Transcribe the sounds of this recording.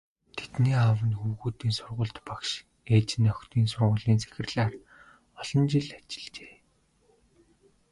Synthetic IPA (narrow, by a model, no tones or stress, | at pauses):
t̪ʰet̪niːawə̆nxuwɣuːt̪iːnsʊrʁʊ̆ːɮt̪pakʃ | eːt͡ɕɪ̆nœxt̪ʰiːnsʊrʁʊːɮiːnse̥xʲɪ̆rɮaːr | ɔɮ̥ɞ̆nt͡ɕɪɮat͡ɕɪ̥̆ɮt͡ɕe̥ː